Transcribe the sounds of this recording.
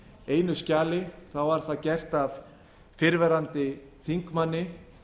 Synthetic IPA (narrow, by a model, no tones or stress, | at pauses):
eːjnʏscaːlɪθawvaɾ̥θaðcɛr̥t̪av | fɪɾvɛɾant̪ɪθiŋkmanːɪ